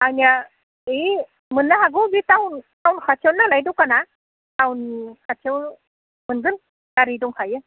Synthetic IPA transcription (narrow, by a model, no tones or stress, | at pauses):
anija | e | mɯnːaɦaɡɯbitawntawnkʰat͡ʃʰawnːalajdɔwkana | tawnkʰat͡ʃʰew | mɯnɡɯn | taɾidɔŋkʰajɯ